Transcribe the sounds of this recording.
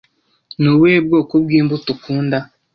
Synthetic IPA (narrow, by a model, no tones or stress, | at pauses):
nuweːbɡoːkubɡiːmbutukʰuːnda